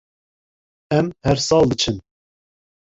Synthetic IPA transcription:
ɛmhɛɾsɑːld̪ɨt͡ʃʰɨn

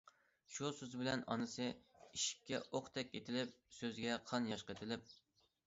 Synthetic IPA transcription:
ʃusøzbɪlɛnɑ̰nɨsɨiʃi̥p̚ʲkʲːɛʔoqt̪ʰɛkʲet̪ʰɪlɪp̚søzɡʲɛqʰɑnjɑʃqəet̪ʰɪlɪp̚

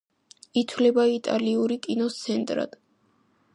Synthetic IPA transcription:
it̪ʰwlɛbait̪ʼa̰liuɾikʼinɔt̪sʰɛnt̪ʼɾa̰d̪̥

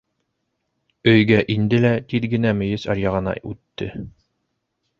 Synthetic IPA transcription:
ɵ̆jɡæʔind̪ɘlæt̪iðɡɘ̆næmɵ̆jɘsɑ̰ɾjɑʁɤ̆nɑ̰ʔʉt̪ːɘ̰

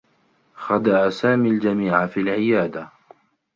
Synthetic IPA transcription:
xad̪aʔasaːmiːld͡ʒamiːʕafiːlʕɪjaːd̪a

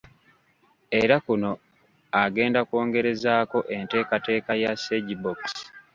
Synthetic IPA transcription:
e̞ɾakuno̞ | aɡe̞ːndakwo̞ːŋɡe̞ɾe̞zaːko̞ʔe̞nte̞ːkate̞ːkajaseɟiboks

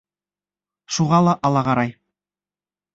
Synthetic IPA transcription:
ʃuʁɑlˠɑʔɑlˠɑʁɑɾɑj

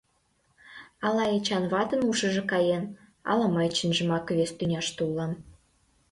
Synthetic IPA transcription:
ɑlɑet͡ɕɑnβɑt̪ə̆nuʃə̆ʒĕkɑjen | ɑ̰lɑmɑjt͡ɕinʒə̆mɑkβest̪ynʲɑʃt̪ulˠːɑm

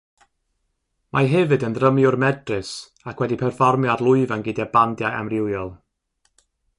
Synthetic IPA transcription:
mʔaɦɛvɨdəndrəmiʊrmɛdrɨs | akʰwɛdipʰɛrfɔrmjadlˠʊɨvanɡɪdɛbandjaʔa̰mrɪwjɔlˠ

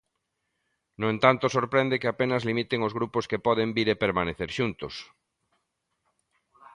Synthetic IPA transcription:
noẽnt̪ant̪osoɾpɾẽnd̪ekɪapenazlimit̪eŋozɣɾuposkepɔðembiɾepeɾmaneθeɾʃunt̪os

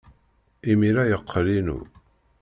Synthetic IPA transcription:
imiɾajəqʰːlinṵ

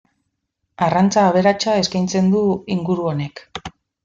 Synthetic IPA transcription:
arant͡saːβ̞e̞ɾat͡ʃae̞skajnt͡se̞nd̪uiŋɡuɾuo̞ne̞k

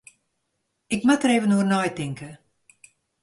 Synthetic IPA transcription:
ɪkmatəɾeːvənuərnɔjtɪŋkʰə

